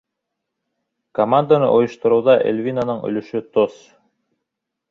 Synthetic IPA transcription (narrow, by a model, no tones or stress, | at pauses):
kɐmand̪anɤ̰ʔojŏʃt̪ɤ̆ɾŭwðɑʔḛlʲvʲinanɤɴɵ̰̆lɵ̆ʃɵt̪os